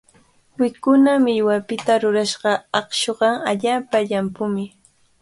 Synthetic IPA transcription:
wɪkʊnamɪʎwapɪt̪aɾʊɾaʃɢɑɑχʃoɢɑaʎaːpaʎampʊmɪ

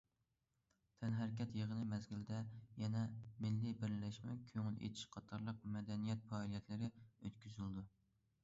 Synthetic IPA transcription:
t̪ʰɛnɦæɾkʲɛt̪jeʁənɨmɛzɡʲild̪ɛjɛnɛmɪlːibɪɾlɛʃmɛkʲʰøŋɪlḛt̪ʰi̥ʃqʰɑt̪ʰɑɾlˠəq̚mɛd̪ɛnijɛt̪̚fɑːlˠijɛt̪ʰlɪɾɪøt̪kʲʰyzyld̪u

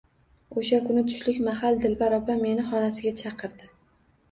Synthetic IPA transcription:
oʃakʊnɪt̪ʰʊ̥ʃlɪkʲmaɦald̪ɪlbaɾɒpʰame̞nɪχɒnasɪɡʲat͡ʃʰɑqʰɨɾd̪ɪ

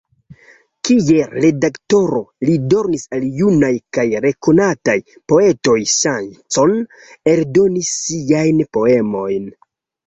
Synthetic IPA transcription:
kie̞ɾe̞dakto̞ɾo̞lido̞ɾnisaljunajkajɾe̞ko̞nataj | po̞e̞to̞jsant͡so̞n | e̞ldo̞nisːiajnpo̞e̞mo̞jn

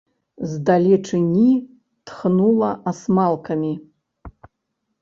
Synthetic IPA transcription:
zd̪alʲeʈ͡ʂʰɨnʲi | tʰχnulˠɐʔasmalˠkʰamʲi

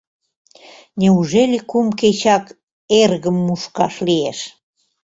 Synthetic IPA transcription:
nʲeuʒelʲikumket͡ɕɑk | erɣəmːuʃkɑʃlieʃ

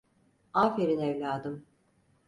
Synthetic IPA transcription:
aːfeɾinɛvlʲaːd̪ɯm

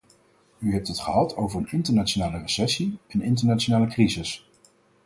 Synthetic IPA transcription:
yɦɛp̚tɦətχəɦɑtʰowvəɹənɪntəɹnat͡ʃonaːlərəsɛsiɛnɪntəɹnat͡ʃonaːləkrizɪs

